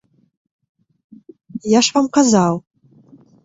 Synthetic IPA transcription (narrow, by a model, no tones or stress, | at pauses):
jaʂvamqazal